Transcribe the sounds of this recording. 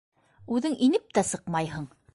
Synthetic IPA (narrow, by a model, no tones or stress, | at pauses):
ʉðɘŋʔinɘp̚t̪æsɤqmɑjɦɤɴ